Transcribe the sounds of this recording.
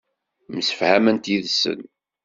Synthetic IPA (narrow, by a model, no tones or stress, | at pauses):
məsə̥fhæmənt̪iðsə̰n